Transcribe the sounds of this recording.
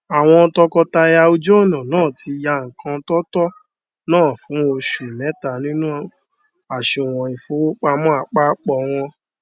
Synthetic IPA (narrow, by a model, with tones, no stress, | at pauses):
a˨w̃ɔ̃˧tɔ˧kɔ˧ta˧ja˧o˧d͡ʒo˦˨nã˨nãː˦˨ti˧ja˧ŋ̩˨kʰã˧tɔ˦tɔ˦ | nãː˦˨fũ˨˦o˧ʃu˨lɛ˨˦ta˨nĩ˦nũ˦ | a˨ʃe˧˨w̃ɔ̃˨i˨fu˨˦k͡pa˧mɔ̃˦a˧˨k͡pa˦k͡pɔ˧˨w̃ɔ̃˧